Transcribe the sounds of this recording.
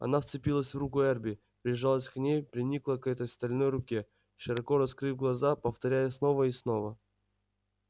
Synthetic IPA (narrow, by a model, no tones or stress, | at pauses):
ɐ̰nafst̪sɨpʲilˠəsʲvrukʊɛrbʲɪ | pɾʲɪʐalˠəsʲknʲejpɾʲɪnʲiklˠəkɛt̪əjst̪ɐlʲnojrʊkʲe | ʃɨɾɐkoɾɐskɾɨvʲɡlˠɐzapəft̪ɐɾʲæjəsnovəisnovə